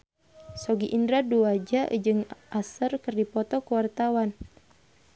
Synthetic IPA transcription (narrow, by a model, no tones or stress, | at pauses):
sɔɡiʔindɾaduad͡ʒaʔd͡ʒɨŋʔasərkɨrdipɔt̪ɔkuwart̪awan